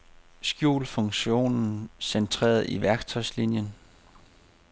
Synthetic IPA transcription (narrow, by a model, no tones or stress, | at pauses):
sɡ̥jṵːlfɔŋɕo̝̰ːnn̩sent͡sʰʁḛːɐð̩ˠiʋæɐɡ̥t͡sʰɒ̽ɪ̰slinjən